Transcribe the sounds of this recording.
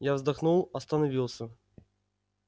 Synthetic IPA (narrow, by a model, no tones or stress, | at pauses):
javzd̪ɐxnulˠɐst̪ɐnɐvʲilˠsʲɐ